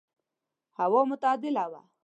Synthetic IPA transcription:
hawomʊt̪ɑːd̪ɪlawa̰

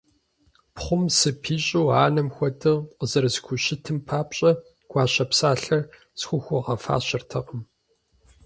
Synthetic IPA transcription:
pχʷʊmsɨpʰiːɕʼuːaːnɐmxʷɔdʰʼɨʁqəzɐrɨzkʷʰʊɕɪtʰɨmpʰaːpɕʼɐ | ɡ̥ʷɑːɕɐpsaːɬɐr | sxʷʊxʷʊʁɐfa̰ːɕɐrtʰɐqəm

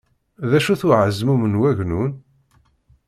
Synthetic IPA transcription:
ðæʃuθʊʕəzmumənwæʝnun

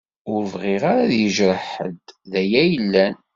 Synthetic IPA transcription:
ʊɾəvʁɪʁaɾaðjəʒɾəħə̰d̪ðæjæjəlːæn

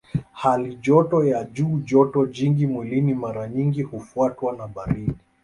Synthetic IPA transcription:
haliʄɔtɔjaʄuːʄɔtɔʄiŋɡimwɛlinimaɾaɲiŋɡihufuatwanaɓaɾiɗi

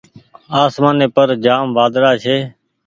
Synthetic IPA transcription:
aːsmaːneːpəɾd͡ʒaːmʋaːd̪ɾaːt͡ʃʰeː

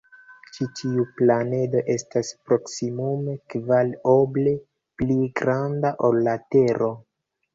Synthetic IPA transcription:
t͡ʃitiuplane̞do̞ʔe̞staspɾo̞ksimume̞kvalo̞ble̞ | pliɡɾandaʔo̞lːate̞ɾʔo̞

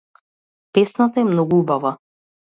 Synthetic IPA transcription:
pɛsnat̪aɛmnɔɡuubava

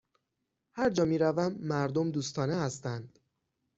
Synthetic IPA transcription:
hæɾd͡ʒɒːmiːɾævæmːæɾd̪omd̪uːst̪ʰɒːnehæst̪ænd̪̥

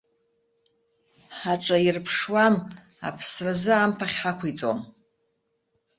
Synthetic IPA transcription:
ħaʈ͡ʂʼairpʰʂwam | a̰pʰsrazɨampʰaχʲħakʷʰit͡sʼo̰m

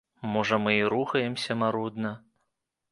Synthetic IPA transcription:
mɔʐɐmɨiɾuxɐjɛmsʲɐmaɾud̪nɐ

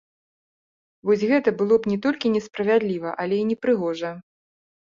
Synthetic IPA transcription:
vɔsʲɣɛt̪ɐbɨlˠɔpnʲɛt̪ɔlʲkʲinʲɛspɾɐvʲad̪lʲivɐʔɐlʲɛinʲɛpɾɨɣɔʐɐ

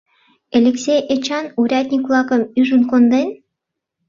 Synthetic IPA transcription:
elʲeksʲejʔet͡ɕɑnuɾʲæt̪ʲnʲikulˠɑkɤ̆myʒunkond̪enʲ

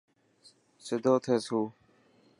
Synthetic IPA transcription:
sɪd̪ʱoːt̪ʰeːsuː

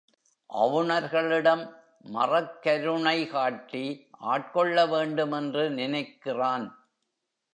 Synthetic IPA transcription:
ʔɐ̰ʋɯɳɐɾɣɐɭɪɽɐmː | ɐ̰rɐkːɐɾɯɳɐɪkaːʈːiʔa̰ːʈ̚kɔɭːɐʋeːɳɖɯmɛndrɯnɪnɐɪkːɪraːn

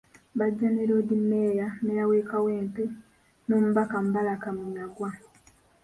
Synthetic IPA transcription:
βaɟːaneɾodimːeːjanejaweːkaweːmpe | no̞ːmuβakam̩balakaminaɡwa

